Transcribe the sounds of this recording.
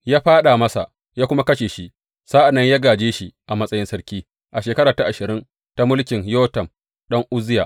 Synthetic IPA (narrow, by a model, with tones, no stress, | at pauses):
jaː˦ɸaː˦ɗaː˨mɐ˦sa̰˨ | jaː˦kʷʊ˦ma˦kɐ˦ʃeː˨ʃi˦ | sa˦ʔa˨nːɐ˦ɲjaː˦ɡaː˨d͡ʒeː˦ʃi˦ʔa˨mɐ˦sʼɐ˦jɪ˦nsɐ˦ɾkʲiː˦ | ʔa˨ʃeː˨kɐ˦ɾaː˨ta˦ʔa˨ʃɪ˨ɾɪ˦n | ta˦mʊ˦lkʲɪ˨ɲjoː˦tɐ˨m | ɗɐ˦ŋʔʊ˦zɪ˦ja̰ː˨ʔ